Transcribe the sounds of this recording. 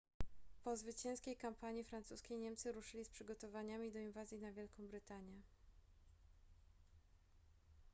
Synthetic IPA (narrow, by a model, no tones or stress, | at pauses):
pɔzvɘt͡ɕɛ̃ñskʲejkampaɲifɾant̪suskʲejɲɛmt̪sɘɾuʂɘlʲispʂɘɡɔt̪ɔvaɲamʲid̪ɔinvazʲjinavʲjɛlkɔ̃w̃bɾɘt̪aɲjɛ